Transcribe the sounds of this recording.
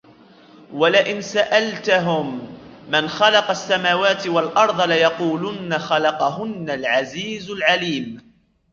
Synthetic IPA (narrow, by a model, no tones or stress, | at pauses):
walaʔɪnsaʔalt̪aɦʊmːanxɑlɑqɑsːamaːwaːt̪ɪwalʔɑɾˤd̪ˤɑlajɑquːlʊnːaxɑlɑqɑɦʊnːalʕaziːzʊlʕaliːm